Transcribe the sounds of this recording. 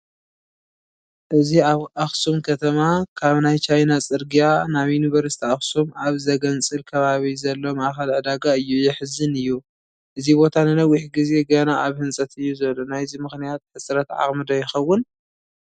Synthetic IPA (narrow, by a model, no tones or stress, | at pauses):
ʔɨziaβʔaxsumkʰɐt̪ʰɐmakʰaβnajt͡ʃʰajnat͡sʼɨɾɡijanaβjinuβɐɾɨst̪ʰiaxsumʔaβzɐɡɐnt͡sʼɨlkʰɐβaβizɐlːo̞maxɐlʕɨd̪aɡaɨjːujɪħɨzɨnɨjːu | ʔɨzibo̞t̪ʰanɨnɐwːiħɡize̞ɡɐnaaβhɨnsʼɐt̪ɨjːuzɐβlːonajzimɨxnijat̪̚ħɨsʼɾɐt̪ʕa̰χʼmɨd̪ojɪxɐwːʊn